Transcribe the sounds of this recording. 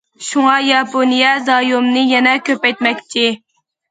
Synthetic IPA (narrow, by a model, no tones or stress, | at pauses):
ʃuŋɑjɑponijɛzɑjomnɨjɛnɛkʲʰøpɛjt̪mɛkʲt͡ʃʰɪ